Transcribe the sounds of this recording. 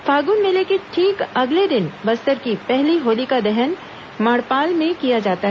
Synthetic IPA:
faːɡunmẽlekeʈʰiːkɐɡled̪ɪnbɐst̪əɾkipɛɦliɦoːlikad̪ɛɦən | maːɽpaːlmẽkijad͡ʒaːt̪aɦɛ

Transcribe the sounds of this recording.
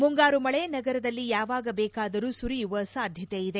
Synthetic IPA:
muŋɡaːɾumɐɭe̞nɐɡɐɾɐd̪ɐlːijaːʋaːɡɐbɛːkaːd̪ɐɾuːsuɾijuʋɐsaːd̪ʱjɐt̪eid̪e̞

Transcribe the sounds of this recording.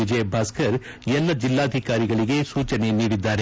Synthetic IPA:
id͡ʒebʱaːskɐɾ | ɛlːɐd͡ʒilːaːd̪ʱikaːɾiɡɐɭiɡe̞suːt͡ʃɐne̞niːɽid̪ːaːɾe

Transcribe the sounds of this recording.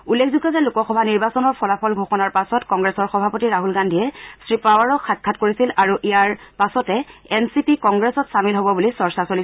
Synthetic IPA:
ulːekʰzuɡɔzɛlukɔxɔbʱaniɹbasɔnɔɹpʰɔlapʰɔlɡʱoxɔnaɹpasɔtkɔŋɡɹesɔɹxɔbʱapotiɹaɦulɡandʱiɛsɹipawaɹɔxʰat̚kʰatkoɹisilaɹuʔijaɹpasɔtɛɛnsipikɔŋɡɹesɔtsamilɦobɔbulisɔɹsasoli

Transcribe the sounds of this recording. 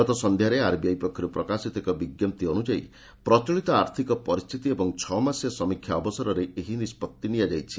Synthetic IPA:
ɔt̪ɔsɔnd̪ʱjaɾeaɾbijajpɔkʰːɔɾupɾɔkasit̪ekɔbiɡjɔmt̪iɔñud͡ʒaḭ | pɾɔt͡ʃɔɭit̪ɔaɾt̪ʰikɔpɔɾist̪ʰit̪iebɔŋt͡ʃʰɔmasjɔsɔmikʰːjaɔbɔsɔɾɔɾeeɦinispɔt̪ːinijad͡ʒajt͡ʃʰi̥

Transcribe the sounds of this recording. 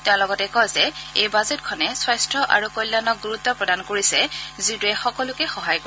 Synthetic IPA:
tɛʊ̃lɔɡɔtɛkɔjzɛejbazet̚kʰɔnɛswajstɹɔʔa̰ɹukojlːanɔk̚ɡuɹut̪ːɔpɹɔdankoɹisɛzituɛxɔkɔlʊkɛxɔɦajko

